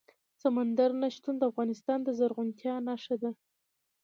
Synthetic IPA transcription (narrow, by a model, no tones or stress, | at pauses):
samand̪aɾnaʃt̪und̪əafɣɑnɪst̪ɑnd̪əzaɾɣunt̪jɑnaʂad̪a